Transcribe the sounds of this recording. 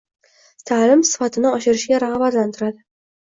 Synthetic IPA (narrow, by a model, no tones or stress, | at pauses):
t̪ʰalɪmsɪ̥fat̪ʰɪnɪɒʃɪɾɪʃɡʲaɾaʁbat̪lant̪ʰɪɾad̪ɪ